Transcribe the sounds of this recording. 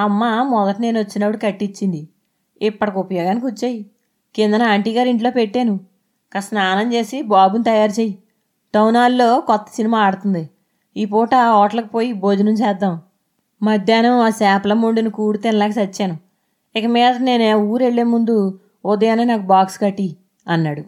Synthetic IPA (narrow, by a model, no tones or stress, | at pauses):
ɐmːamɔd̪ɐʈine̞ːnot͡ʃːinɐpːuɽikɐʈːit͡ʃːind̪i | ipːɐʈɐkupɐjɔːɡaːnik̬ʲut͡ʃːeːji | keːnd̪ɐnɐːɳʈiːɡaːɾiɳʈlo̞ːpeʈːeːnu | kɐsnaːnɐmt͡ʃe̞ːsibaːbunt̪ɐjaːɾt͡ʃeːji | ʈɐwnaːlːo̞ːkɔt̪ːɐ̥sinimaːaɽt̪und̪i | iːpoːʈɐɔːʈɐlɐkipo̞ːjiboːd͡ʒunuɲt͡ʃɛːd̪ːaːm | mɐd̪ʱjaːnɐmaːsaːplɐmuɳɖinikuːɽit̪enɐlaːɡɐsɐt͡ʃːaːnu | ɪkɐmɛːd̪ɐne̞ːnuːɾe̞ɭːe̞ːmund̪u | od̪ɐjaːneːnaːkubaːkskɐʈːi | ɐnːaːɽu